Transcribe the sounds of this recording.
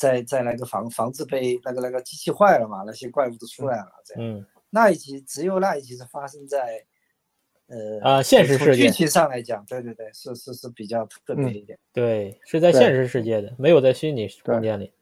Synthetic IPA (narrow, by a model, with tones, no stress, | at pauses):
t͡sa˥˧ɪt͡sa˥˩ɪla˧˥ɪɡə˧˩fɑ̰˧˥ŋfɑ˧˥ŋt͡sɹ̩˥˧pe˥˧ɪna˥˩ɡə˧na˥˩ɡə˧˩t͡ɕi˥t͡ɕʰi˥˧xwa˥˩ɪlə˩mɐ˩na˥˩ɕjɛ˥kwa˥˧ɪu˥˩t̪o˥ʈ͡ʂʰu˥la˧˩ɪə˩mɐ̰˧t͡sə˥˩jn̩˥˩ | na˥˩i˨˩t͡ɕʰi˧˥ʈ͡ʂɻ̩˧˥jo˨˩ʊna˥˩˧i˨˩t͡ɕʰi˧˥ʂɻ̩˥˩fa˥ʂɤ˥ŋt͡sa˥˩ɪ | ə˧˩ə˧ɕjɛ˥˧nʂɻ̩˥˧˥ɻ̩˥˧y˥t͡ɕʰi˧˥ʂɑ˥˩ŋla˧˥ɪt͡ɕjɑ˨˩ŋt̪we˥˧t̪we˥˧t̪we˥˩ɪʂɻ̩˥˧ʂɻ̩˥˧ʂɻ̩˥˩pi˨˩t͡ɕjɑ˥˧ʊt̪ʰt̪ʰɤ˥˩pjɛ˧˥d̪ə˧i˥˩t̪jɛ˨˩nt̪we˥˩ɪʂɻ̩˥˧t͡sa˥˧ɪjɛ˥˧nʂɻ̩˥˧ʂɻ̩˥˧t͡ɕjɛ˥˩d̪ə˩me˧˥ɪjo˨˩t͡sa˥˩ɪɕy˥nni˨˩˥kt͡ɕjɛ˥˩nli˨˩˦